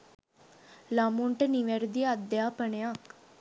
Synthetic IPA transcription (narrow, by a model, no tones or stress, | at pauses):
lamuɳʈəniʋeɾd̪iɐd̪jaːpəɳejak